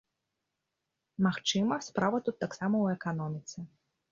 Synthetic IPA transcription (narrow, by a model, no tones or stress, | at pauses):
maxt͡ʂɨmɐspɾavɐt̪ut̪ːaksamɐwɛkanɔmʲit̪sɛ